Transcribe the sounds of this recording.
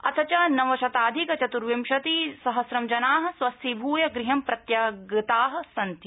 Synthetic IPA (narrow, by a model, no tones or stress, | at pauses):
ɐt̪ʰɐt͡ʃɐnɐʋɐʃɐt̪aːd̪ʱikɐt͡ʃɐt̪uɾʋimʃɐt̪isɐɦɐsɾɐmd͡ʒɐnaːɦɐ̆swɐst̪ibʱuːjɐɡɾiɦɐmpɾɐt̪jɐɡit̪aːɦɐ̆sɐnt̪i